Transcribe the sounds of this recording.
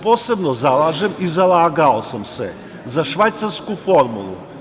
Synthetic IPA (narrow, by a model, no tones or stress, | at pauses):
po̞ːse̞bnozalaːʒemizalˠaːɡaosamsḛ | zaʃʋajt̪saɾskufo̞ɾmṵlˠṵ